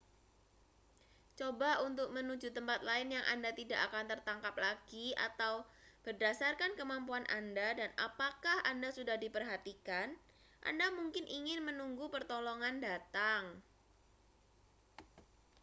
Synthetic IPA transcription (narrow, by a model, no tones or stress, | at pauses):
t͡ʃobaʔunt̪ʊk̚mənud͡ʒut̪əmpat̪laɪnjaŋʔa̰ndat̪idaʔakant̪ərt̪aŋkap̚laɡ̥ia̰t̪awb̥ərdasarkankəmampuanʔa̰ndadana̰pakahʔandasudahdipərɦat̪ikan | ʔa̰ndamuŋkɪnʔiŋɪnmənuŋɡupərt̪ɔlɔŋandat̪aŋ